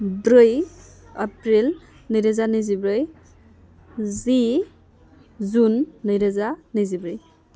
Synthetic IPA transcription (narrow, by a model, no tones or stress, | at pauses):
bɾɯj | apɾil | nɯjɾɯzanɯjzibɾɯj | zi | zunːɯjɾazanɯzibɾɯj